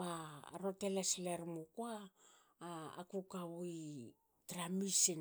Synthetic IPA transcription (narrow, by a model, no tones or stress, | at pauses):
baɾotelasileɾmukuaː | kukawuj | tɾamisin